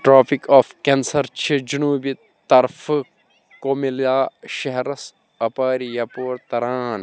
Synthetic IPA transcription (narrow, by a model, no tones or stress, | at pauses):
ʈɾoːpʰikaːfkensɐɾt͡ʃʰid͡ʒunuːbi | t̪ɐɾf | komilaːʃɐɦɾɐs | ɐpaːɾijapoːɾt̪ɐɾaːn